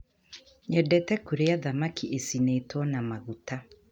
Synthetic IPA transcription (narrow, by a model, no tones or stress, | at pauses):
ɲɛdɛtɛkuɾeaðamakʰiʔesineːtwɔnamaɣuta